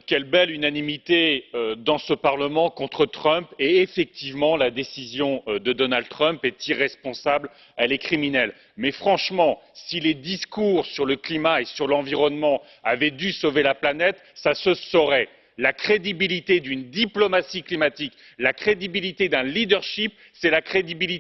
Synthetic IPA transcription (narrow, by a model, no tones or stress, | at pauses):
kʲɛlbɛlynanimit̪eød̪ɑ̃səpaʁləmɑ̃kɔ̃t̪χət̪χœ̃peːfɛk̚t̪ivmɑ̃lad̪esizjɔ̃d̪əd̪ɔnald̪t̪χœ̃mpɛt̪iʁɛspɔ̃sabl | alekχiminɛl | mɛfχɑ̃ʃmɑ̃siled̪iskuʁsyʁləklimaesyʁlɑ̃viʁɔnmɑ̃ | avɛd̪ysovelaplanɛt̪ | sasəsɔʁɛ | lakχed̪ibilit̪ed̪ynd̪iplɔmasiklimat̪ik | lakχed̪ibilit̪ed̪ɛ̃lid̪œʁʃip̚ | sɛlakχed̪ibilit̪